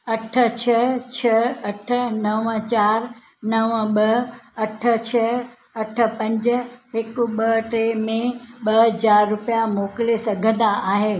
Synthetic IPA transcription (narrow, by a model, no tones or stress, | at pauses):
ɐʈʰə̆t͡ɕʰɐt͡ɕʰɐɐʈʰə̆nɐʋə̃t͡ɕaːɾ | nɐʋə̃ɓɐɐʈʰə̆t͡ɕʰɐ | ɐʈʰə̆pɐ̃ɲd͡ʑ̆ɦɪkʊɓɐʈɾemẽɓɐɦɐzaːɾːʊpijamoːklesɐɡʱə̃nd̪aaːɦeː